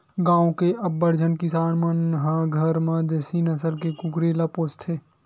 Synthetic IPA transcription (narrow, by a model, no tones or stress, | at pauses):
ɡãːõkeʔɐbbəɾd͡ʒʱənkɪsaːnmənɦə̃ɡʱəɾmẽd̪eːsinɐsəlkekʊɡɾelɐpoːt͡ʃt̪ʰeː